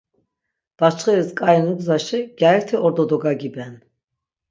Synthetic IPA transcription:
b̥at͡ʃχɛɾiskʼaɛnuɡzaʃɛɡ̥jaɛɾt̪ʰɛɔɾd̪ɔd̪ɔɡaɡibɛn

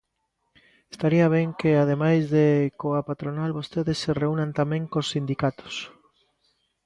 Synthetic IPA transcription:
est̪aɾiaβ̞eŋkeað̞emajzðekoapat̪ɾonalβost̪eðesːereunãnt̪amẽŋkosːind̪ikat̪o̥s

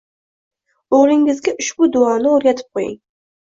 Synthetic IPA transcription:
oʁɾɪŋɪzɡʲaʔʊʃbʊd̪ʊɑːnɪoɾjʲat̪ʰɪ̥p̚qʰojɪ̰ŋ

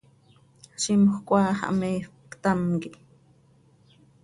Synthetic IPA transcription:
ʃimxkʷaːha̰meːx | kt̪aŋkiʔ

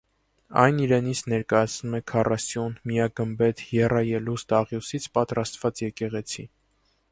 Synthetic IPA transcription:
ɑ̰jniɾɛnit͡sʰnɛɾkɑjɑt͡sʰnumɛkʰɑrʔɑsjunmijɑɡəmbɛt̪ʰjɛrɑjɛlust̪ɑʁjusit͡sʰpɑt̪ɾɑst̪vɑt͡sjɛkɛʁɛt͡sʰi

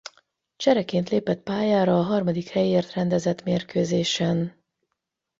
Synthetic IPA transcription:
t͡ʃɛɾɛkeːnt̪leːpɛt̪̚paːjaːɾɒːɦɒrmɒd̪ikhɛjeːrt̪rɛnd̪ɛzɛt̪meːrkøːzeːʃɛn

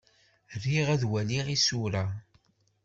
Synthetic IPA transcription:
rːiʁæðwæliʁisuɾa

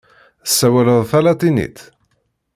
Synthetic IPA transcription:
əsːæwæləðˤθælɑt̪ˤinḭt̪

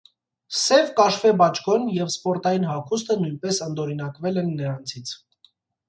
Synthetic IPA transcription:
sɛvkɑʃvɛbɑt͡ʃʰɡɔnjɛvspɔɾt̪ɑjinɦɑkʰust̪ənujnpɛsənd̪ɔɾinɑkvɛlɛnːəɾɑnt͡sʰit͡sʰ

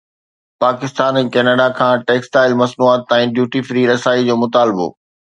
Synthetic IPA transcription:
paːkɪst̪aːnɛ̃ːkɛːnaːɖakʰãːʈeːksʈaːɪlmɐsnuaːt̪̚ːãːĩɖjuːʈifɾiːɾɐsaːid͡ʑoːmʊt̪aːlɪbo̰ː

